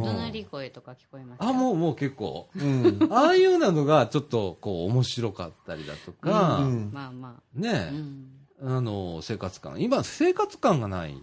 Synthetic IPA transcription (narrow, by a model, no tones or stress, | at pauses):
õɾikoet̪okakʲi̥koemaamo̞ːmo̞ːke̞kːo̞̰ː | aːɯjɯ̟ːnano̞ɡat͡ɕo̞t̪ːo̞ko̞ːmo̞ɕiɾo̞ka̰t̪ːaɾʲid̪a̰t̪o̞kamaa | ne̞ | ano̞se̞ːkat͡sɨ̥kã̰ŋ̃imase̞ːkat͡sɨ̥kãŋɡana̰ḭ